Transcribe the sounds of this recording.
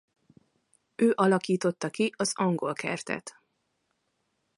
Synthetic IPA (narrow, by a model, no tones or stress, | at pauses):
øːʔɒlɒkiːt̪o̞t̪ːɒkiʔɒzɒŋɡo̞lkɛ̰rt̪ɛ̰t̪